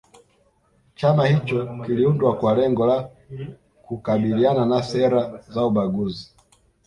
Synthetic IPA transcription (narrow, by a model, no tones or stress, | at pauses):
t͡ʃamahit͡ʃɔkiliundwakwalɛŋɡɔla | kukaɓiliananasɛɾazauɓaɡuzi